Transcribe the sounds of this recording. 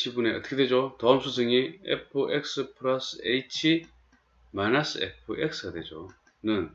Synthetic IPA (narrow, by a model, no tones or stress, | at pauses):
ɕʰibune̞ʌt͈ʌ̥kʰedwe̞d͡ʑotʌɯmsʰus̬ʰɯŋiḛpʰɯʔek̚s͈ɯpʰɯɾʌsʰɯeit͡ɕʰi | manas͈ʰɯḛpʰɯʔek̚s͈ʰɯɡadwed͡ʑo̰ | nɯn